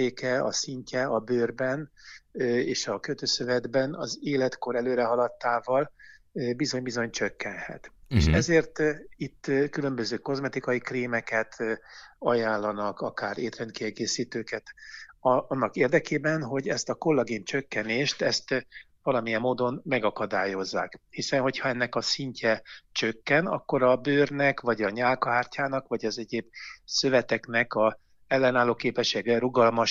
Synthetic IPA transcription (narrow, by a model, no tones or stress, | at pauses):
eːkɛɒ̰siɲcɛɒbøːrbɛn | eːʃɒkøt̪øːsøvɛd̪bɛnɒ̰zeːlɛt̪ko̞ɾɛløːɾɛɦɒlɒt̪ːaːvɒlbizo̞ɲbizo̞ɲt͡ʃøkːɛnhɛ̰t̪eːʃɛzeːrt̪it̪ːkylø̞mbøzøːko̞zmɛt̪ikɒjikriːmɛkɛt̪ | ɒjaːlːɒnɒkɒkaːɾeːt̪rɛnt̪kiɛɡeːsiːt̪øːkɛt̪ː | nːɒkeːrd̪ɛkeːbɛnɦo̞ɟɛst̪ɒko̞lːɒɡiːnt͡ʃø̞kːɛneːʃt̪ɛst̪ | vɒlɒmijɛmːoːd̪o̞nmɛɡɒkɒd̪aːjo̞zːa̰ːkhisɛnho̞chɒɛnːɛkɒsiɲcʰɛt͡ʃøkːɛnɒ̰kːo̞ɾɒbøːrnɛkvɒɟɒɲaːlkɒɦaːrcaːnɒkʋɒɟɒzɛɟeːbsøvɛt̪ɛknɛkɒ | ɛlːɛnaːloːkeːpɛʃeːɡrɛɾuɡɒlmɒʃ